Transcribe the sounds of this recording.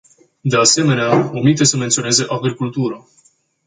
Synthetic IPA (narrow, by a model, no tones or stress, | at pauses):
d̪e̞ase̞me̞neaomit̪̬esəme̞nt̪sione̞ze̞ʔaɡɾikult̪uɾə